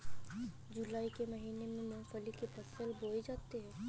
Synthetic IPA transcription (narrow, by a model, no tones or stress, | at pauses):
d͡ʒʊlaːikemɐɦiːnemẽmõːfəlikepɐsəlboːed͡ʒaːt̪eɦɛ̃ː